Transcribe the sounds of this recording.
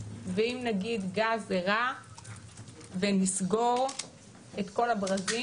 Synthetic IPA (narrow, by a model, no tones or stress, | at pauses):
veimnaɡid̪ɡazeʁa | venisɡo̞ʁ | et̪ko̞labʁazi